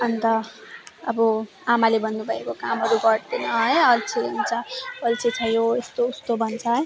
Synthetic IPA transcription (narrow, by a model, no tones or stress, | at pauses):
ʌnt̪ʌ | ʌbʌ | amalebʱʌnːubʱʌekokamɦʌɾuɡʌɽd̪enʌɦʌjʌlt͡sʰieunt͡sʰʌʌlt͡sʰit͡sʰʌjoest̪oust̪obʱʌnt͡sʰʌɦj